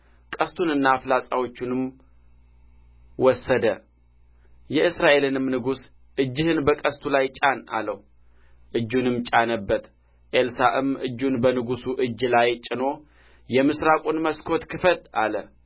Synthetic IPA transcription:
kʼəst̪ʰunɨnːaːflasʼawo̞t͡ʃːunɨm | wɔsːəd̪ə | jɛɨsɾaʔe̞lɨnɨmnɨɡus | ʔɨd͡ʒːɨhɨnbəkʼəst̪ʰulajt͡ʃʼana̰ləh | ʔɨd͡ʒːunɨmt͡ʃʼanəbːət̪ | ʔelsaʔɨmʔɨ̰d͡ʒːunbənɨɡusuʔɨd͡ʒːlajt͡ʃʼɪno̞ | jɛmɨsɾakʼunməskʰo̞t̪kʰɨfət̪a̰lə

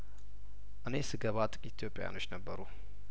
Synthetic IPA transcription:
ʔɨnesɨɡəβat̪ʼɨkʼit̪ʰijopʼeja̰no̞t͡ʃːnəbːəɾu

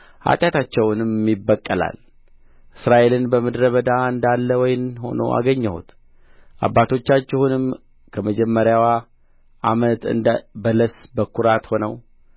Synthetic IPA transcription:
ha̰t̪ʼjat̪at͡ʃːɛwnɨmibːəkʼːəla̰l | ʔɨsɾaʔe̞lɨnbəməd̪ɾəβəd̪aɨnd̪alːəwɔjɪnho̞̰no̰ʔa̰ɡəɲːəhṵt̪ | ʔa̰bːat̪ʰo̞t͡ʃːat͡ʃːɛhunɨm | kʰəməd͡ʒɛmːəɾjawa | ʔamət̪ɨ̰nd̪bələsbəkʰːuɾat̪ho̞nəw

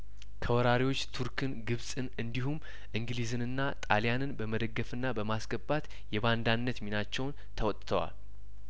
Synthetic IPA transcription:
kʰəwɔɾaɾiwo̞t͡ʃːt̪ʰuɾkʰɨnɡɨβsʼɨnɨnd̪ihum | ʔɨŋɡɨlizɨnɨnːat̪ʼalijanɨnbəməd̪əɡːəfɨnːabəmasɡəbːat̪ | jɛband̪anːət̪minat͡ʃːɛwn | t̪ʰəwɔt̪ʼt̪ʰəwa̰l

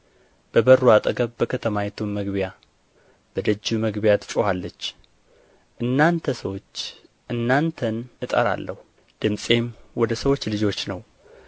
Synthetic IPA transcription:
b̥əbəruat̪ʼəɡəβbəkʰət̪ʰəmajɛt̪ʰumməɡβja | b̥əd̪əd͡ʒːuməɡbjat̪ʰɨ̥t͡ʃʼuhalːət͡ʃː | ʔɨnːant̪ʰəsəwo̞t͡ʃː | ʔɨnːant̪ʰənʔɨt̪ʼə̰ɾa̰lːʔəhu | d̪̥ɨmsʼe̞mwɔd̪əsəwo̞t͡ʃːlɨd͡ʒo̞t͡ʃːnəw

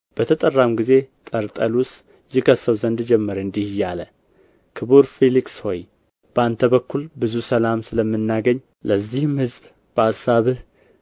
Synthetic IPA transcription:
b̥ət̪ʰət̪ʼərːamɡize̞t̪ʼəɾt̪ʼəlus | zikʰəsəwzənd̪d͡ʒɛmːəɾɨnd̪ihjalə | kʰɨβuɾfeliksho̞j | b̥əant̪ʰəβəkʰːulbɨzusəlamsɨləmːɨnːaɡəɲː | ləzːihɨmhɨzb | b̥əasaβɨh

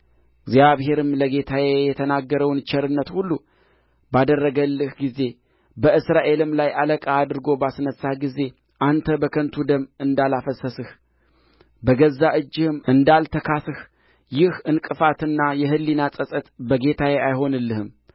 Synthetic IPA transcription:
ɪɡzjaβhe̞ɾɨmləɡe̞t̪ʰajejɛt̪ʰənaɡːəɾəwnt͡ʃʰɛɾɨnːət̪hulːu | bad̪ərːəɡəlːɨhɡize̞ | bəɨsɾaʔe̞lɨmlajʔaləkʼaːd̪ɨɾɨɡo̞basnəsːaɡize̞ | ʔant̪ʰəbəkʰənt̪ʰud̪əmːɨnd̪alafəsəsɨh | bəɡəzːaʔɨd͡ʒːɪhɨmɨnd̪alt̪ʰəkʰasɨh | jɪhɨnkʼɨfat̪ɨnːajɛɦɨlːinasʼəsʼət̪bəɡe̞t̪ʰajeajho̞nɨlːɨhɨm

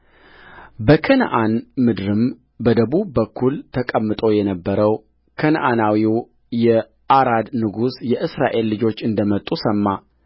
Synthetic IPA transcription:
bəkʰən̰ʔanmɨd̪ɾɨm | bəd̪əβubːəkʰːult̪ʰəkʼəmːɨt̪ʼojɛnəbːəɾəw | kʰənʔanawiw | jɛ | ʔaɾad̪nɨɡusjɛʔɨsɾa̰ʔe̞lːɨd͡ʒo̞t͡ʃːɨnd̪əmət̪ʼːusəmːa

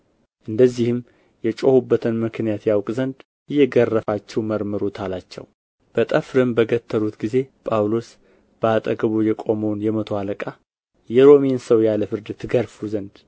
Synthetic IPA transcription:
ʔɨnd̪əzːihɨm | jɛt͡ʃʼo̞hubːət̪ʰɨnmɨknijat̪jawkʼzənd̪ | ɨjɛɡərːəfat͡ʃːɛwməɾməɾot̪ʰalat͡ʃːɛ̰w | b̥ət̪ʼəfɾɨmbəɡət̪ʰːəlut̪ɡize̞pʼawlo̞s | b̥əat̪ʼəɡəβojɛkʼo̞məwnjɛmət̪ʰo̞aləkʼa | jɛɾo̞mensəwjaləfɨɾd̪t̪ʰɨɡəɾfuzənd̪

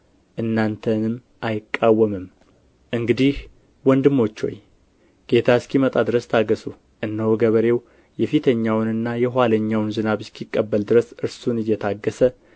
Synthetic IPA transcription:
ʔɨnːant̪ʰənɨm | ʔajɪkʼːawːəmɨm | ʔɨŋɡɨd̪ih | wɔnd̪ɨmːo̞t͡ʃːo̞̰j | ɡ̥e̞t̪ʰaskimət̪ʼad̪ɨɾəst̪ʰaɡəsu | ʔɨnːəwɡəβəɾe̞w | jɛfit̪ʰəɲːawnɨnːajɛɦwaləɲːawnzɨnaβɨskʰikʼːəbːəld̪ɨɾəsɨɾsunɨjːɛt̪ʰaɡːəsə

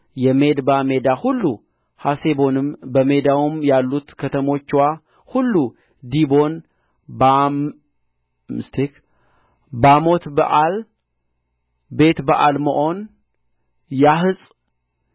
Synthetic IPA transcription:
jɛme̞d̪bame̞d̪ahulːu | hase̞bo̞nɨmbəme̞d̪awumjalːut̪kʰət̪ʰəmo̞t͡ʃːwa | hulːu | d̪ibo̞n | bam | mɨst̪ʰek | bamo̞t̪bə̰ʔal | be̞t̪bəʔalmə̰ʔo̞n | jaɦɨsʼ

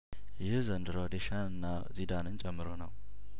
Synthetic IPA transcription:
jɪhzənd̪ɨɾod̪eʃanɨnːa | zid̪anɨnt͡ʃʼɛmːɨɾonəw

